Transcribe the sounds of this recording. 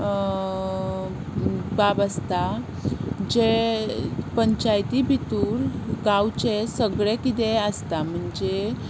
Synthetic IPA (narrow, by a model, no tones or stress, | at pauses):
babəst̪a | d͡ʑe | pəɲt͡ɕajt̪ibʱit̪uːɾɡawt͡ɕesəɡɭekit̪eəst̪am̤əɳd͡ze